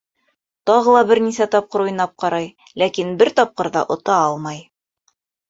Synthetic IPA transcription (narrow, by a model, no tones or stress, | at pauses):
t̪ɑʁɤ̆lˠɑbɘ̆ɾnisæt̪ɒp̚qɤɾujnɑp̚qɑɾɑj | lækinbɘɾt̪ɒp̚qɤ̆ɾðɑ̰ʔŏt̪ɑɑlˠmɑj